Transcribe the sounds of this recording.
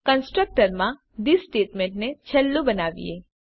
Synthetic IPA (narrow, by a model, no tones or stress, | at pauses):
kənsʈɾək̚ʈəɾmã | d̪isʈeːʈmẽɳʈnet͡ʃʰɐlːũbənaːʋḭe